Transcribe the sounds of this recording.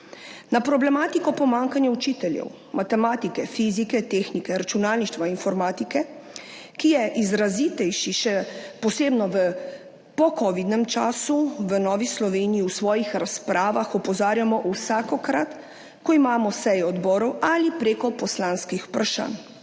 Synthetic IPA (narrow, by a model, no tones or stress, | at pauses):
napɾɔblɛmaːt̪ikɔpɔmaŋkanjaut͡ʃit̪ɛljɛ̰w | mat̪ɛmaːt̪ikɛfizikɛt̪eːxnikɛɾat͡ʃunaːlniʃt̪ʋainfɔɾmaːt̪ikɛ | kijɛʔizɾazit̪ɛjʃiʃɛpɔseːbnɔʋə | pɔkɔʋid̪nɛmt͡ʃaːsuʋənɔːʋislɔʋeːnijiwsʋɔːjixɾaspɾaːʋaxɔpɔzaːɾjamɔʔusaːkɔkɾat̪ | kɔimaːmɔsɛjɛɔd̪bɔːɾɔwalipɾeːkɔpɔslanskixu̥pɾaʃa̰ːn